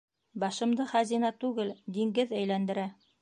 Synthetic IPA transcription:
bɑʃɤ̆md̪ɤχæzinɑt̪ʉɡɘld̪iŋɡɘðæjlænd̪ɘ̆ɾæ

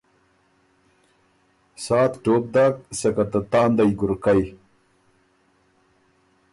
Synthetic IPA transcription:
saːt̪ʈoːp̚d̪aːksekɐt̪ɐt̪aːnd̪ɐjɡuɾkaj

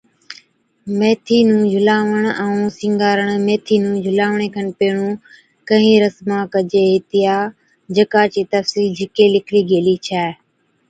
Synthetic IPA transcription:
meːt̪ʰiːnũːd͡ʒʱʊlaːʋəɳ̃ə̃ũːsɪ̃ŋɡaːɾəɳmeːt̪ʰiːnũːd͡ʒʱʊlaːʋɳeːkʰənpeːɳ̃ũː | kəɦĩːɾəsmãːkəd͡ʒeːɦɪt̪ɪjaː | d͡ʒəkaːt͡ʃiːt̪əfsiːld͡ʒɪkeːlɪkʰɽiːɡeːliːt͡ʃʰɛː

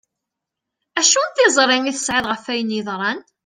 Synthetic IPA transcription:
æʃunθɪzˤɾˤɪmiθə̥sʕɪðˤʁəfæjəniðˤɾˤɑn

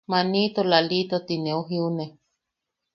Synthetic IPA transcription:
manit̪olalit̪ot̪ineuɦiune

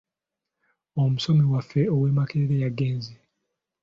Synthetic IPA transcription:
o̞muso̞miwafːeowe̞ːmakeɾiɾejaɡːe̞ːnzi

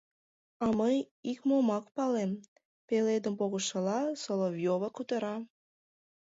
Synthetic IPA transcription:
ɑməj | ikmomɑkpɑlem | peled̪əmpoɣəʃəlɑsolovjoβəkut̪əɾɑ

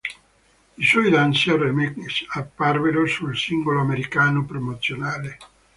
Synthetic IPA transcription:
iswɔjd̪ansearemeksapːarveɾosulsiŋɡoloameɾikaːnopɾomot̪sjonaːle

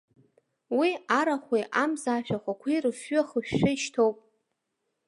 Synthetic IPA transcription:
wiaɾaχʷejʔamzaːʃᶣaχʷakʷʰirɨfːʏaχəʃᶣːaiʃtʰowpʼ

